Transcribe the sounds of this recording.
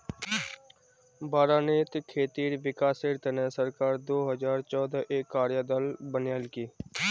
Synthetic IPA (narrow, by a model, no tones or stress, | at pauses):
baːɾaːneːt̪kʰeːt̪iːɾʋɪkaːseːɾt̪ənɛsəɾkaːɾd̪oːɦəzaːɾt͡ʃɔːd̪aːʔekːaːɾjaːd̪əlbənjaːlkiː